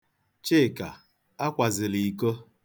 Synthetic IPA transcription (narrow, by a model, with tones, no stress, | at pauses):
t͡ʃɪ˦˨ka˨ | a˦kʷa˨zɪ˨li˨i˨ko˦